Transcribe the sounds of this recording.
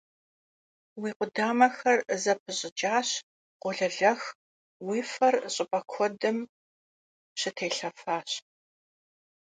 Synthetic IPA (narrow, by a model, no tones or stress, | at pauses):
wiːqʷʊdaːmɐxɐrzɐpʰɨɕʼɪt͡ʃʼaːɕ | qʷɔɮɐɮɐx | wiːfɐrɕʼɪpʼɐkʷʰɔdɨm | ɕɪtʰeːɬɐfaːɕ